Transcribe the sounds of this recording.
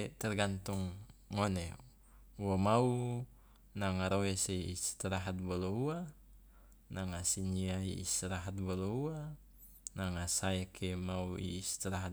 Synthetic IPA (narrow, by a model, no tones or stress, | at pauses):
t̪ɛrɡant̪uŋːone | uwamau | naŋaɾoeseiist̪iɾaɦat̪̚bɔloua | naŋasiniaḭːst̪iɾaɦat̪̚boloua | naŋasaekʰemauḭːst̪iɾaɦat̪̚